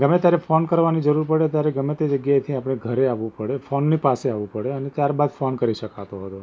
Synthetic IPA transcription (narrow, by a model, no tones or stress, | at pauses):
ɡəmẽt̪jaɾefonkəɾʋanid͡ʒəɾuɾpəɽet̪jaɾeɡəmet̪ed͡ʒəɡjajt̪ʰiapɽ̃eɡʱəɾeaʋũpəɽefonːipaseaʋũpəɽeənet̪jaɾbad̪fonkəɾiʃəkat̪oɦət̪o